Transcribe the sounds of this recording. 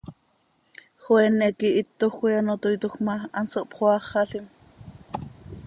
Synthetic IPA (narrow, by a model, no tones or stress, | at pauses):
xwɛnːɛkiʔit̪ːoxiɑnot̪ojt̪oxmɑɑnsoʔpχoɑχːɑɬim